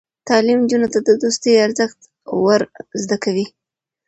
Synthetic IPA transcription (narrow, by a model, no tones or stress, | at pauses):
t̪ɑlimd͡ʒunot̪ad̪əd̪ost̪əjaɾzəxt̪ | waɾzd̪akawi